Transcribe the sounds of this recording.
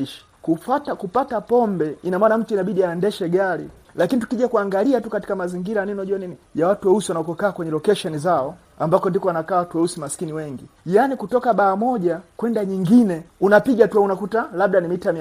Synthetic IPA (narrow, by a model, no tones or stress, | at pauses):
iʃḁkufatakupatapɔmbɛinamaːnam̩tuinaɓiɗiaɛndɛʃɛɡaɾi | lakinitu̥kiʄakuaŋɡaliatukati̥kamaziŋɡiɾaninɔʄuanini | jawatuwɛusiwanaɔkɔkaːkwɛɲɛlɔkɛʃɔnizaɔ | ambakɔndikɔwanakaːwatuwɛusimasi̥kiniwɛŋɡijanikutɔkaɓaːmɔʄakwɛndaɲiŋɡinɛunapiɠatuwaunakutalaɓ̚ɗanimitami